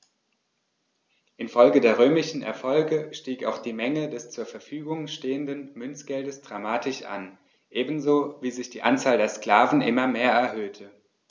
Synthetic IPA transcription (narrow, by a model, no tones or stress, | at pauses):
ʔɪnfɔlɡədeːɐʁ̞øːmɪʃn̩ɛ̰ɐfɔlɡəʃtiːka̰ʊxd̥iːmɛŋədɛst͡suːɐfɛɐfyːɡʊŋʃteːəndənmʏnt͡sɡ̥ɛldəsd̥ʁamaːtʰɪʃʔa̰n | ʔeːbn̩zoːviːzɪçd̥iːʔant͡saːldeːɐskl̥aːvn̩ʔɪ̰mɐmeːɐɛɐɦøːtʰə